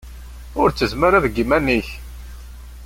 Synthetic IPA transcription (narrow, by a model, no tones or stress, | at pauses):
ʊɾt͡sːəzməɾaðɡimæniç